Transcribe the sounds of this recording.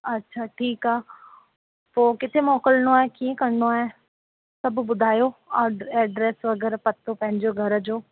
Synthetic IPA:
ɐtːʃʰaːʈʰiːkaː | poːkɪt̪ʰemɔːkəlnoaːɦekiẽkɐɽɳoaːɦe | sɐbʱbʊd̪ʱaːjoaɛːɖɾeːsʋɐɡəɾpɐt̪ːopɐ̃ɦɪ̃ɲd͡ʑoɡʱɐɾəd͡ʑoː

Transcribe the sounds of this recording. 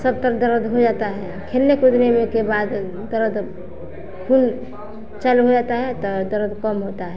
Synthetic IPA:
səb̚t̪əɾd̪əɾəd̪ɦod͡ʒat̪aɦɛ | kʰelnekud̪nemekebad̪ | d̪əɾəd̪ | kʰun | t͡ʃəlɦod͡ʒat̪aɦɛt̪ɔd̪əɾəd̪kəmɦot̪aɦɛ

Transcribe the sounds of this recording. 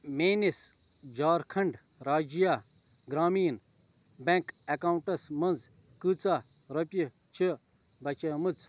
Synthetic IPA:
meːnis | d͡ʒaːɾkʰɐɳɖ | ɾaːd͡ʒijaː | ɡɾaːmiːn | bẽŋkɐkaːwuɳʈɐsmɐnd͡z | kɨːt͡saː | ɾɐpʲi | t͡ʃʰi | bɐt͡ʃɐmɨt͡s

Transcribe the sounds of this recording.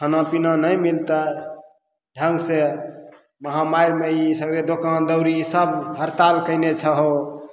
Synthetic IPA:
kʰənapinãnəjmilt̪ə | ɖʱəŋɡse | məɦamaiɾmeisəɡɾed̪okand̪əʊɾisəbɦəɾt̪alkəɪnet͡ʃʰəɦo

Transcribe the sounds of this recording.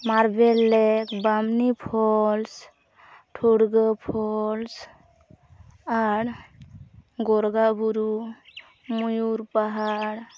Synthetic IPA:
maɾbelːɛkbamnipʰɔls | ʈʰoɽɡəpʰɔls | aɽ | ɡɔɾɡabuɾu | mujuɾpaɦaɽ

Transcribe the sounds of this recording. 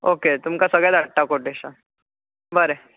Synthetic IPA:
oket̪umkasəɡɭjad̪aʈːakoʈeɕa | bəɾe

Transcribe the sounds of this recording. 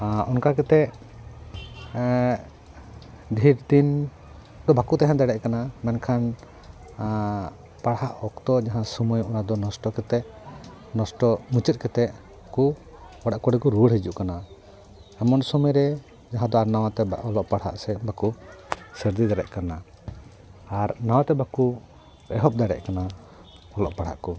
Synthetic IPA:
ɔnkakɛt̪ɛʔ | ɖ̪ʱiɾd̪in | d̪ɔbakut̪aɦɛ̃d̪ɛɽɛʔkanamɛnkʰan | paɽhaʔɔkt̪ɔd͡ʒaɦãsumɔjɔnad̪ɔnɔsʈɔkɛt̪ɛʔ | nɔsʈɔmut͡ʃət̪̚kɛt̪ɛʔ | ku | baɽaʔkɔɽɛkɔɾuɽhid͡ʒuʔkana | ɛmɔnsɔmɛɾɛ | d͡ʒaɦãd̪ɔaɾnaw̃at̪ɛɔlɔʔpaɽɦa̰ʔsɛbʱakusəɾd̪id̪aɽɛ̰ʔkana | aɾnawat̪ɛbaku | bɛɦɔp̚d̪aɽɛ̰ʔkana | ɔlɔʔpaɽ̤ha̰ʔkɔ

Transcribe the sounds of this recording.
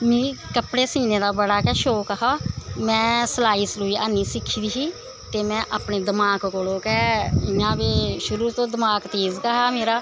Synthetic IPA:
mẽːkəpɽeːsiːnẽːd̪aːbəɽaːkɛːʃoːkəɦaːmɛ̃ːsəlaːiːsluːiːaːniːsɪkʰːiːd̪iːɦiː | t̪eːmɛ̃ːʔaːpneːd̪əmaːkkoːloːkɛːɪjãːbeːʃʊɾuːɾt̪õːd̪əmaːkt̪eːzɡəɦaːmeːɾaː

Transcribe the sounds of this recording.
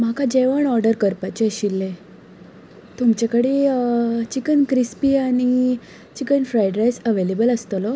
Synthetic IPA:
m̤akad͡ʑeʋəɳɔɾɖəɾkəɾpat͡ɕeɕilːe | t̪umt͡ɕakəɽi | t͡ɕikənkɾispiaɽ̃i | t͡ɕikənfɾajɖɾajsəʋelebələst̪əlɔ

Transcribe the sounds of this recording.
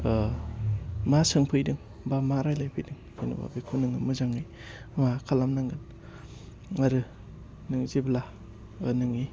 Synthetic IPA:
masɯŋpʰɯjdɯŋ | bamaɾajlajpʰɯjdɯŋkʰinṵba̰bikʰunɯŋɯmɯzaŋɯj | makʰalamnaŋɡɯn | ŋaɾɯ | nɯŋzibla̰ | nɯŋi

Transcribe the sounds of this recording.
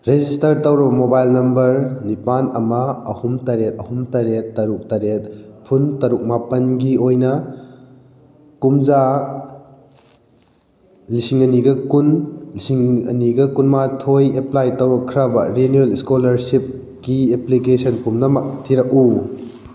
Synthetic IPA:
ɾed͡ʒistɐɾtɐwɾɐbɐmobajlnɐmbɐɾnipanɐmɐɐhumtɐɾet̚ɐhumtɐɾet̚ːɐɾuk̚taɾet̚pʰuntɐɾuk̚mapɐnɡiojnɐ | kumd͡ʒa | lisiŋɐniɡɐkunlisiŋɐ̰niɡɐkunmatʰojeplajtɐwɾɐkʰɾabɐɾenieliskolɐɾsip̚ | kieplikesʰɐnkumnɐmɐk̚tʰiɾɐk̚u

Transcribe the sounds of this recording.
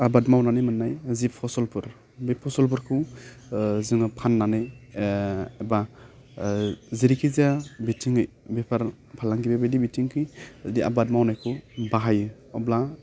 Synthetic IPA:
abatmawnanɯjmɯnːajzipʰɔsɔlpʰɯɾ | bipʰɔsɔlp̬ʰɯɾkʰɯw | zɯŋpʰanːanɯj | eba | ziɾikʰizabitʰiŋɯj | bepʰaɾ | pʰalaŋɡibebedibitʰiŋkʰɯjazadiʔa̰bad̚mawnajkʰɯwbaɦajɯ | ɔbla

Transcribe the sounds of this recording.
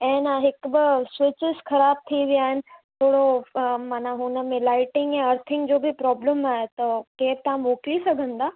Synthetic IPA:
ɛ̃ːnəɦɪkbɪswɪt͡ɕɪzxɐɾaːb̚t̪ʰiʋijaːɦɪnɪ̆t̪ʰoːɽomaːnaɦʊnəmẽlaːɪʈɪ̃ŋɡjãɐɾt̪ʰɪ̃ŋɡd͡ʑoːbʱipɾɔːbləmaːɦet̪ɐkeːb̚t̪aãmoːklisɐɡʱə̃nd̪aː

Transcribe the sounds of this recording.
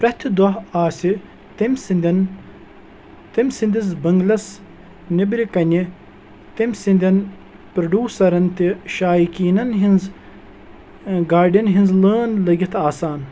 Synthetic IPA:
pɾɐht̪ʲʰid̪wɐɦaːsi | t̪imʲsind̪ʲɐn | t̪imʲsind̪izbɐŋɡlɐs | nibɾikɐnʲi | t̪imʲsinʲd̪ʲɐn | pɾɐɖʲuːsɐɾɐnt̪iʃaːjikiːnɐnɦinz | ɡaːɾɖɐnɦinzləːnlɐɡʲit̪ʰaːsaːn

